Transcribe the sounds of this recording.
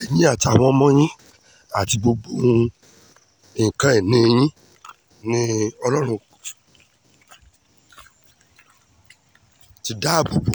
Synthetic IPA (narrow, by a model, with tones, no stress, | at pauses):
ɛ˨jĩ˦a˦˨ti˨˧a˨w̃ɔ̃˧˦mɔ̃˦j̃ĩ˦ | a˦˨ti˧bo˧bo˦˨ | kã˨˦ɛ˦˨nĩ˨˧j̃ĩ˦ | nĩ˦ɔ˧lɔ˦ɾ̃ũ˧ | ti˧˦da˦˨bu˨bo˨